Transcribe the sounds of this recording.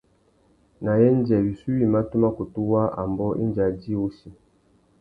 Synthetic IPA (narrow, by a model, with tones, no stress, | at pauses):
na˨jɛ˦n˦d͡ʒɛ˨wi˨su˦wi˨ma˦tu˦ma˦ku˨tu˦wa˦ʔa̰˨mbɔ˦ʔḭ˦nd͡ʒa˨d͡ʒi˦u˦si˨